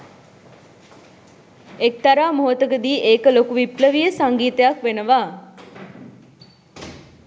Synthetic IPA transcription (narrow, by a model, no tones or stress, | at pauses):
ek̚t̪aɾaːmoɦət̪əɡəd̪iːʔeːkəlokuʋipləʋijəsaŋɡiːt̪əjakʋenəʋaː